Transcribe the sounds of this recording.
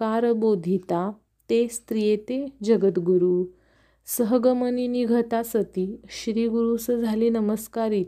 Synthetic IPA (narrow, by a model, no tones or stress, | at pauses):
kaɾbod̪ʱit̪a | t̪est̪ɾijet̪ed͡ʑəɡət̪ɡuɾu | səɦɡəməniniɡʱət̪asət̪iːɕɾiːɡuɾusəd͡zʱaliːnəməskaɾit̪